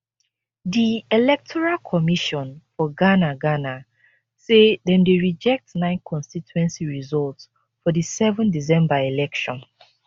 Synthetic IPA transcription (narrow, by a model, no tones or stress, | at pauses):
dielɛk̚tʰɔɹalkʰɔmiʃɔ̃nfɔɡanaɡana | seðɛ̃mdeɹid͡ʒɛk̚tnãɪ̃nkʰɔ̃nstituɛ̃nsiɹizɔlts | fɔdisɛvɔ̃ndizɛ̃mbaelɛkʃɔ̃n